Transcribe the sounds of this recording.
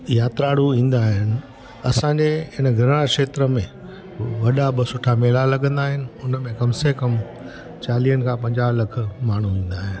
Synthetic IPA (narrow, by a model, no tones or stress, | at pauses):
jaːt̪ɾaːɽuĩːn̆d̪aːɦɪnɪ̆ | ɐsãːɲd͡ʑeɦɪnəɡʱɪɾɽ̃akʂeːt̪ɾəmẽ | ʋɐɗabɪsʊʈʰameːlalɐɡə̃nd̪aːɦɪnɪ̆ʊnmẽkɐmsekɐm | t͡ɕaːliːənɪ̆kʰãːpɐ̃ɲd͡ʑaːlɐk̆ʰmaːɳ̤uĩːn̆d̪aːɦɪnɪ̆